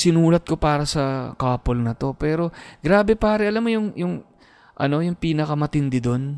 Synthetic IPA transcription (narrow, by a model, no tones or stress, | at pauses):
sɪnuːlɐt̪̚ko̞paːɾɐsɐkaːpo̞lnɐt̪o̞pɛːɾo̞ɡɾaːbɛpaːɾɛʔɐlamːojʊŋjʊŋ | ʔɐ̰no̞jʊŋpiːnɐkɐmɐt̪ɪnd̪ɪd̪o̞n